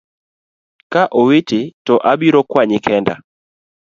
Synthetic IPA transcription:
kaʔowetɪtɔʔabiɾɔkwaɲɪkɛnda̰

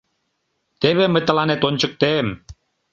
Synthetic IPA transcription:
t̪eβemə̆t̪ə̆lɑnet̪ont͡ɕɤ̆k̚t̪em

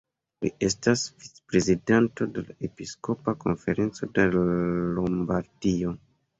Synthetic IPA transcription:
lḭʔe̞stasvit͡se̥pɾe̞zidanto̞de̞laʔe̞pisko̞pako̞̰nfe̞ɾe̞nt͡so̞delombaɾdio̞

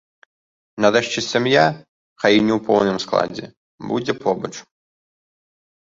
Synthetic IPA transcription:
nɐd̪aʂt͡ʃɪsʲamja | xajinʲɛwpɔ̰wnɨmsklˠa̰d͡zʲɛ̰ | bṵd͡zʲɛpʰɔbɐt͡ʂ

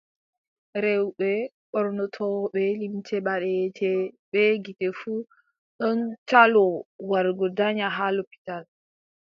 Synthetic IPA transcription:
ɾɛwɓɛ | ɓɔɾnɔtʰɔɓɛlimtʰɛɓaɗɛtʰɛɓɛɡitɛfu | ɗɔntalɔwaɾɡɔdaɲaɦalopi̥tal

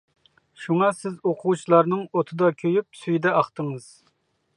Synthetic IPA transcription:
ʃuŋɑsɪzoqʰʊwut͡ʃʰilˠɑɾnɨŋot̪ʰɨd̪ɑkʲʰøjyp̚syjd̪ɛɑχt̪əŋɨz̥

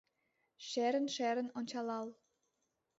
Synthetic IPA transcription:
ʃæɾə̆nʃæɾə̆nont͡ɕɑlɑl

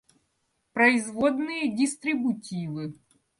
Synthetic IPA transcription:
pɾɐɪzvod̪nɨjədʲɪst̪ɾʲɪbʊtʲivɨ

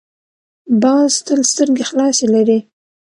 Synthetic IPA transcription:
bɑzst̪əlst̪əɾɡexlɑselaɾi

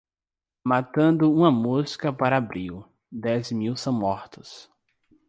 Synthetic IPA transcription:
mat̪ɐ̃nd̪ʊũmɐmuzkɐpaɾɐabɾiw | d̪ɛzmiwsɐ̃w̃mɔɾt̪ʊ̥s

